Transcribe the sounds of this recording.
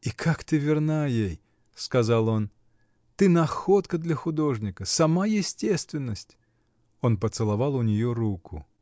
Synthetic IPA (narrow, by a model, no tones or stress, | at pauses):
ikʰakt̪ɨvʲɪrnajej | skɐzalˠo̞n | t̪ɨnɐxot̪kəd̪lʲəxʊd̪o̞ʐnʲɪkəsɐmajɪsʲtʲest̪vʲɪnːəsʲtʲ | o̞npət̪sɨlˠɐvalˠʊnʲɪjoɾukʰʊ̰